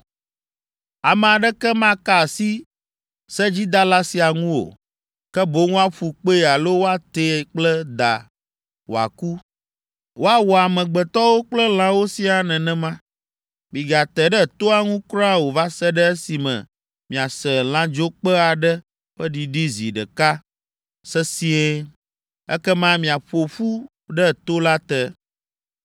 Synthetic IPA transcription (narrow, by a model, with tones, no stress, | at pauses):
a˨mɛ̃˨a˨ɖɛ˦kɛ˦mã˦ka˦˨si˦ | sɛ˦d͡ʑi˦d̪a˦la˦si˨a˨ŋũ˦wo̰˨ | kɛ˦bo˨˦ŋũ˦a˦ɸu˨k͡pe˦˨a˨lo˦wo˦a˦t̪e˨k͡plɛ˦d̪a̰˨ | wo̰˨a̰˨ku˦ | wo˦a˦wɔ˨a˨mɛ̃˨ɡ͡bɛ˨t̪ɔ˦wo˦k͡plɛ˦l̃ã˦wo˦si˦a˨nɛ̃˨nɛ̃˦mã˦ | mĩ˨ɡa˨t̪ɛ˨ɖɛ˦˨t̪o˦a˦ŋũ˦kɾa˦wo˨va˦sɛ˦ɖɛ˦ɛ˦si˨mɛ̰̃˨ | mĩ˨a˨sɛ˨l̃ã˦d͡ʒo˦k͡pɛ˦a˨ɖɛ˦ | ɸɛ˦ɖi˨ɖi˦zi˨ɖɛ˨ka˦ | sɛ˦si˦e˦ | ɛ̰˦kɛ˦mã˦mĩ˨a˨ɸo˨ɸu˦ | ɖɛ˦˨t̪o˦la˦t̪ɛ˦